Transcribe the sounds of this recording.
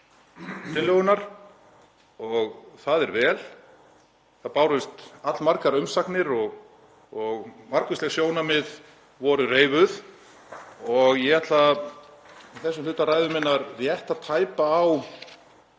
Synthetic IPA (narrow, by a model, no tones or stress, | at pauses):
t̪ɪnlœɣʏnaɾ̥ | ɔɣθaðɛɾvɛːl | θaðpaːwɾʏst̪at̪lmaɾkaɾʏmsaknɪɾɔɣ | ɔɣmaɾkʏsɛɣsjoːwnamɪð | vɔːɾʏreːjvʏð | ɔɣjɛɣat̪la | θɛsːʏmlʏːt̪aɾaːjðʏmɪnːaɾrjɛht̪aðt̪ʰaːjpaːw